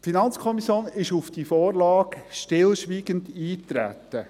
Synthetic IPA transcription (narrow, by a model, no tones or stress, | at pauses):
tfinɑnt͡skʰɔmisjoːnɪʃufd̥ifoːɾlɑːɡʃtɪlʃʋiːɡəndiːtɾæ̰t̪ːə